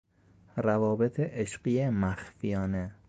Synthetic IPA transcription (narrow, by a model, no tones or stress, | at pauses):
ɾævɒːbet̪ʰeʔeʃɢijemæxfijɒːne